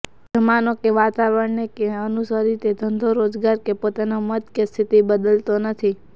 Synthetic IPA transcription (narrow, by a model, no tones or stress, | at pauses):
d͡ʒəmanokeʋat̪aʋəɽnekeənusəɾit̪ed̪ʱənd̪ʱoɾod͡ʒɡaɾkepot̪anomət̪kest̪ʰit̪ibəd̪əlt̪onət̪ʰi